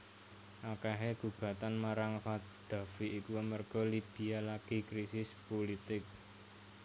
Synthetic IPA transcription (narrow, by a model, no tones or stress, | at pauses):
ʔakaɦeɡ̥uɡ̥ä̤t̪anmaɾaŋfa | d̪̥a̤fiʔikuəmərɡ̥ɔ̤lib̥i̤alaɡ̥ikɾisɪspolit̪ɪk̚